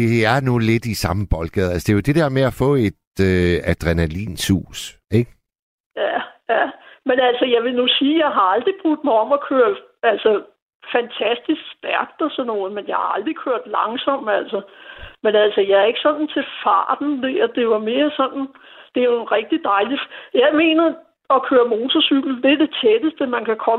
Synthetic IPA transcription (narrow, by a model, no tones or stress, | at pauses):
eæno̝ːled̥isɑ̈məb̥ɒ̽lɡ̥ɛðˠælsə̥d̥e̝jod̥e̝d̥eɐ̰meæfɔ̰̽ːe̝d̥øæd̥ʁɛnælḭːnshṵːseɡ̥ | jæjæmenælsəjɑ̈ɪʋe̝nusiːjɑ̈ɪɦɑ̈ɑ̈ld̥ʁib̥ʁud̥mɑ̈ɪɒ̽m̰ɒ̽kʰøɐd | ælsə | fænt͡sʰæsd̥isɡ̥sd̥æɐ̰ɡ̥̚d̥ɒsɒ̽nɔːð̩ˠmenjɑ̈ɪhɑ̈ɑ̈ld̥ʁikʰøɐ̰d̥lɑ̈ŋsɒ̽m̰æl̰səmenælsəjɑ̈æɐe̝ɡ̥sɒ̽nn̩t͡sʰe̝fɑ̰̈ːd̥n̩d̥eɐd̥e̝ʋɑ̈me̝ːɐsɒ̽n̰n̩ | d̥e̝æjo̝enʁɛɡ̥̚d̥id̥ɑ̈ɪlifjɑɪme̝̰ːnɐ | ɒ̽kʰøːɐmo̝ːt͡sʰɒsyɡ̥l̩d̥e̝ɐd̥e̝t͡sʰed̥əsd̥əmænkʰækʰɒ̽